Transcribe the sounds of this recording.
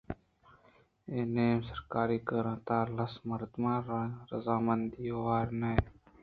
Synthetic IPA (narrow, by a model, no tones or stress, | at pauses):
eːneːmsəɾkaːɾiːkəɾãːt̪aːɾlɐsməɾt̪mãːɾəzaːmənd̪iːowaːɾmeː